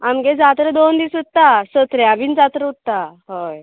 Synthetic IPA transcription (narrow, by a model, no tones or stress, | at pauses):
amɡed͡zat̪ɾəd̪ond̪iːsut̪ːasət̪ɾɛabiːnd͡zat̪ɾəut̪ːaɦoj